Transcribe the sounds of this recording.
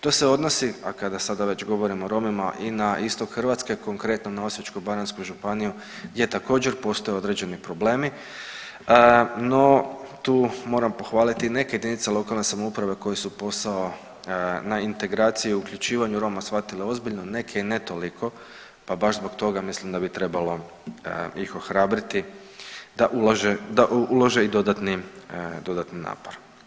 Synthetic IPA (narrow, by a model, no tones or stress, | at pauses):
t̪o̞ːseo̞d̪no̞siakad̪asad̪aʋe̞t͡ɕɡo̞ʋo̞ɾimo̞ɾo̞mimaʔinaʔist̪o̞kxrʋat̪ske̞ko̞ŋkɾe̞t̪nonaosjet͡ʃkubaɾanskuʒupaniju | ɡje̞t̪ako̞ːd͡ʑe̞ɾpo̞st̪ojeod̪ɾe̞d͡ʑe̞nipɾo̞ble̞ːmi | no̞t̪uːmo̞ːɾampo̞xʋaːlit̪ine̞keje̞d̪init̪selˠo̞kalˠne̞samoupɾaʋe̞ko̞jesupo̞sao | naint̪e̞ɡɾaːt̪sijiuuklʎut͡ʃiːʋaɲuɾo̞masʋat̪ileo̞zbiʎno̞ne̞kʰe̞ine̞t̪o̞likʰo̞ | pabaʒzbo̞ɡt̪o̞ɡamislimd̪abit̪ɾe̞balo̞ | ixo̞xɾaːbɾit̪i | d̪aʔulaʒed̪aʔulˠoʒe̞id̪od̪at̪nid̪o̞d̪at̪nina̰ːpo̞ɾ